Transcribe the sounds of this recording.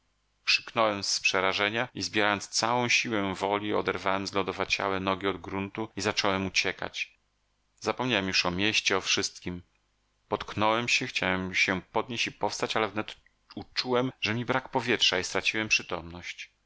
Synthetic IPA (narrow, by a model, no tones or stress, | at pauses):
kʂɘ̥knɔwɛmspʂɛɾaʐɛɲaizbʲjɛɾajɔnst̪sawɔ̃w̃ɕiwɛ̃vɔlʲiɔ̰d̪ɛɾvawɛmzlɔd̪ɔvat͡ɕa̰wɛnɔɡʲiɔd̪ɡɾunt̪uizat͡ʂɔwɛmut͡ɕɛka̰t͡ɕ | zapɔmɲawɛmjuʂɔmʲjeɕt͡ɕɛɔfʂɘst̪̚kʲim | pɔt̪knɔwɛmɕɛxt͡ɕawɛmɕɛpɔd̪̚ɲeɕt͡ɕipɔfst̪at͡ɕalɛvnɛt̪ | ut͡ʂuwɛmʐɛmʲibɾakpɔvʲjɛtʂaist̪ɾat͡ɕiwɛmpʂɘt̪ɔmnɔɕt͡ɕ